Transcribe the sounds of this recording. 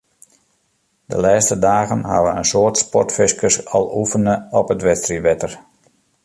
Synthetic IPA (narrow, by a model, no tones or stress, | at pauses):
də̰laːstədaːɣənɦa̰ʋəənsoərtspɔrtfɪskəsɔ̰lˠufənəɔpətʋɛstriʋɛtər